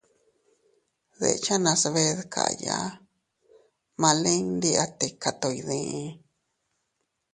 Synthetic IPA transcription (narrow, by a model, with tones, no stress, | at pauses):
ðḛ˧t͡ʃa˦nã˧sβe˧ðkʰa̰˨˧ja̰˧˦ | mã˧lĩ˦nd̪i˦a˧t̪e˨ka˧t̪o˧i˧ðĩ˧